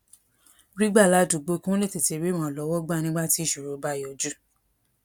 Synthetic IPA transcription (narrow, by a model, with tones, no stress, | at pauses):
ɾi˦ɡ͡ba˦˨la˨˦du˨ɡ͡bo˧kũ˦le˦˨te˨ti˨˦ɾĩ˦ã˨˦˨lɔ˨˦wɔ˦ɡ͡ba˦˨nĩ˦ɡ͡ba˦ti˦˨ʃu˨ɾo˨˦ba˦˨ɔ˧˦d͡ʒu˦